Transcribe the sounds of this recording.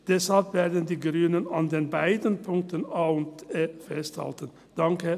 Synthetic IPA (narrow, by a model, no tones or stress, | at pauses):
d̥ɛshalpv̥eːɐdən̩diːɡʁyːnənandeːnbaɪdən̩pʰʊŋk̚tənaːʊntefɛstha̰ltən̩ | d̥aŋkə